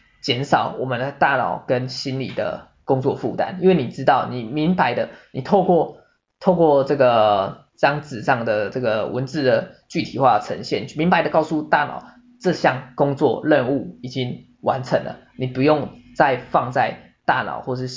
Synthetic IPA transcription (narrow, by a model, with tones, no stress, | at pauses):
t͡ɕjɛ˧˥nʂɑ˨˩ʊwɔ˨˩mə˨˦nd̪ə˩t̪a˥˩nɑ̰˨˩ʊkə˦nɕi˥nlḭ˨˩d̪ə̰˦ | kʊ˥ŋt͡swɔ˥˧fṵ˥˩t̪a̰˥˦ni˥nwe˥˩ɪni˨˩ʈ͡ʂɻ̩˦t̪ɑ˥˩ʊni˨˩mi˧˦˥ŋba˧˦ɪd̪ə˧ni˨˩t̪ʰo˥˧ʊkwɔ˥˧ | t̪ʰo˥˧ʊkwɔ˥˧ʈ͡ʂɤ˥˩ɡə˩ | ʈ͡ʂɑ˥ŋt͡sɹ̩˨ʂɑ˥˩ŋd̪ə˩ʈ͡ʂɤ˥˩ɡə˩wʔə̰˧˦nt͡sɹ̩˥˩d̪ə˩t͡ɕy˥˩t̪ʰi˨˩xwa˥˩ʈ͡ʂʰə˧˦˥ŋɕjɛ˥˨nmi˧˦ŋba˧ɪd̪ə˧kɑ˥˧ʊsu˥˧t̪a˥˩nɑ̰˨˩ʊ | ʈ͡ʂɤ˥˧ɕjɑ˥˩ŋkʊ˥ŋt͡swɔ̰˥˧lə˥˧nu˥˩i˨˩t͡ɕi˦ŋ | wʔa˧˦nʈ͡ʂʰə˧˦˥ŋlə̰˨ | ni˨˩pu˧˥jo˥˧ŋt͡sa˥˧ɪfɑ˥˧ŋt͡sa˥˧ɪ | t̪a˥˩nɑ̰˨˩ʊxwɔ˥˧ʂ̬ɻ̩˥˩